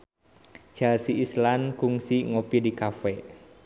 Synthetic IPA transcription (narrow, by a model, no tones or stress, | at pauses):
ʒ̥a̤siʔːslankuŋsiŋopidikafɛ